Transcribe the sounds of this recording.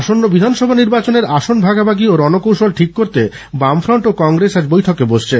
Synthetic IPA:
ʃonːobid̪ʱanʃɔbʱaniɾbat͡ɕoneɾaʃonbʱaɡabaɡioɾɔnokowʃolʈʰikːoɾt̪e | bamfɾoɳʈokɔŋɡɾesad͡ʑbojʈʰokeboʃt͡ɕʰe

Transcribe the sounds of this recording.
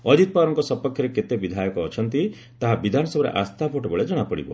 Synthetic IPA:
ɔd͡ʒit̪̚paɾɔŋkɔsɔpɔkʰjɔɾeket̪ebid̪ʱajɔkɔːt͡ʃʰʌnt̪i | t̪aɦabid̪ʱanɔsɔbɔɾḛʔast̪ʰapʰoʈobɔɭed͡ʒɔɽ̃apɔɽḭbɔ̰

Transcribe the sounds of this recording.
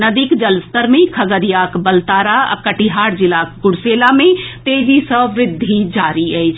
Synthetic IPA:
nəd̪ikd͡ʒəlst̪əɾmekʰəɡəɾijakbəlt̪aɾaa̰kəʈiɦaɾd͡ʒilakɡʊɽselamet̪ed͡ʒisəʋɾɪd̪ʱːid͡ʒaɾiəjt͡ʃʰ

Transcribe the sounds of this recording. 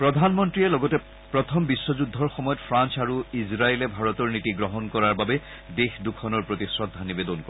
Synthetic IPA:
pɹɔd̪ʱanmɔntɹiɛlɔɡɔtɛ | pɹɔt̪ʰɔmbisːɔzudʱɔɹxɔmɔjɔtpʰɹansaɹuizɹaelɛbʱaɹɔtɔɹnitiɡɹɔɦɔnkɔɹaɹbabɛ | dexdukʰɔnɔɹpɹotisɹɔt̚d̪ʱanibedɔnkɔ

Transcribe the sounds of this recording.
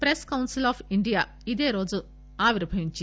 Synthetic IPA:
pɾeskɐwnsilaːpʰiɳɖijaː | id̪e̞ːɾo̞ːd͡ʒu | aːʋiɾbʱɐʋiɲt͡ʃ

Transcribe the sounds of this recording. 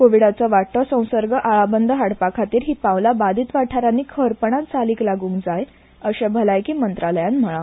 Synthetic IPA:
koʋiɽat͡səʋaʈʰːəsə̃w̃səɾɡəʔaɭabənd̪ʱəɦaɽpakʰat̪iːɾɦiːpãwlabad̪ʱiːt̪ʋaʈʰaɾanːiːkʰəɾpəɳ̃at̪t͡saliːklaɡũːŋkd͡zaj | əɕɛ̃bʱəlajkiːmənt̪ɾaləjãnm̤əɭa

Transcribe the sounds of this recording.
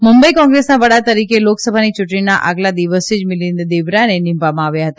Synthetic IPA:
mumbəikɔ̃ŋɡɾesnaʋəɽat̪əɾikeloksəbʱanit͡ʃʊʈɳinaʔa̰ɡlad̪iʋəsid͡ʒmɪlind̪eʋɾanenĩmpʋamãaʋjaɦət̪a

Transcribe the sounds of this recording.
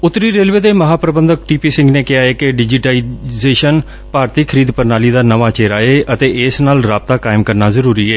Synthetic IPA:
ʊt̪ːɾiːɾeːlʋeːd̪eːməɦaːpɾəbənd̪ək̚ʈiːpiːsɪ̃ŋɡneːkɪaːeːkɪɖɪd͡ʒɪʈaizeːʃən | paːɾt̪iːkʰəɾiːd̪pəɾnaːliːd̪aːnəʋaːt͡ʃeːɾaːeːʔət̪eːɪsnaːlɾaːb̚t̪aːkaːɪmkəɾnaːzəɾuːɾiːɛː

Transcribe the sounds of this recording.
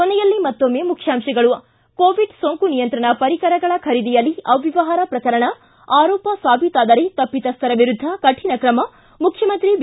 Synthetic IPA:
kɔnɛjɐlːimɐt̪ːomːeːmukʰjaːmʃɐɡɐɭu | koːʋiɖsoŋkunijɐnt̪ɾɐɳɐpɐɾikɐɾɐɡɐɭɐkʰɐɾid̪ijɐlːiɐʋiʋɐɦaːɾɐpɾɐkɐɾɐɳɐ | aːɾɔːpɐsaːbʱit̪aːd̪ɐɾet̪ɐpːit̪ɐst̪ʰɐɾɐʋiɾud̪ʱːɐkɐʈʰinɐkɾɐmɐ | mukʰjɐmɐnt̪ɾib

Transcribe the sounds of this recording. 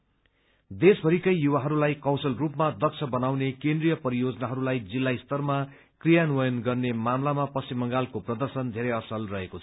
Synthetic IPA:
d̪esbʱʌɾikʌjjuwaɦʌɾulajkʌwsʌlrupmad̪ʌk̚t͡sʰʌbʌnawnekẽnd̪rijʌpʌɾijod͡zʌnaɦʌɾulajd͡zilːaist̪ʌrma | krijanuwʌjʌnɡʌrnemamlamapʌst͡simːʌŋɡalkoprʌd̪ʌrsʌnd̪ʱeɾʌʌsʌlrʌɦekot͡sʰʌ

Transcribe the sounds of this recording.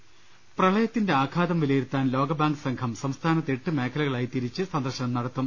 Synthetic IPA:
prɐɭɐjɐt̪ːinde̞aːkʰaːd̪ɐmʋilɐjiɾut̪ːaːnlo̞ːɡɐbaːŋɡɨsɐŋkʰɐmsɐmst̪ʰaːnɐt̪ːeʈːɨme̞ːkʰːɐlɐɣɐɭaːjit̪iɾit͡ɕːɨsɐnd̪ɐrɕɐnɐmnɐɽɐt̪ːum

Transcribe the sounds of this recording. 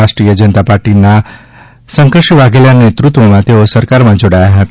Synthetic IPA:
aʃʈɾijəd͡ʒənət̪apaɾʈina | sə̃ŋkɾəʃiʋaɡeljanet̪ɾut̪ʋomãt̪eosəɾkaɾmãd͡ʒoɽajaɦət̪a

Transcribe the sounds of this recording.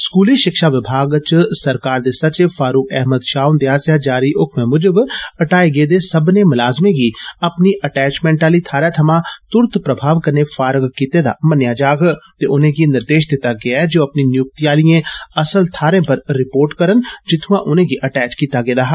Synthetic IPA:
skuːliːʃɪkʃaːʋɪbʱaːɡt͡ʃsəɾkaːɾd̪eːsət͡ʃefaːɾuːkɛɦməd̪ʃaːʊnd̪eaːsjaːd͡ʒaːɾiːʔʊkʰmẽːmʊd͡ʒəbəʈaːeɡeːd̪eːsəbneːmʊlaːzmẽːɡiːəpniːʔəʈɛːt͡ʃmɛ̃ːɳʈaːliːt̪ʰaːɾaːt̪ʰəmãːt̪ʊɾt̪pɾəbʱaːʋkəɾneːfaːɾəɡkiːt̪eːd̪a̰ːmənjaːd͡ʒaːɡt̪eːʊnẽːɡinɪɾd̪eːʃd̪ɪt̪ːaːɡɪaːɛd͡ʒoːəpniːnɪjʊk̚t̪iaːlɪjẽːəsəlt̪ʰaːɾẽːpəɾɾɪpoːɾʈkəɾənd͡ʒɪt̪ʰʊ̃ãːʔʊnẽːɡiːʔəʈɛːt͡ʃkiːt̪aːɡeːd̪aːɦa

